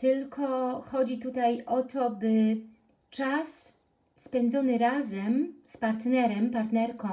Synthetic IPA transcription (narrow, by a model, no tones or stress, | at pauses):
t̪ɘlkʰɔxɔd͡ʑit̪ut̪ajʔɔt̪ʰɔbɘ | t͡ʂasː | pɛnd̪zɔnɘɾazɛmspaɾt̪nɛɾɛmpaɾt̪nɛɾkɔ̃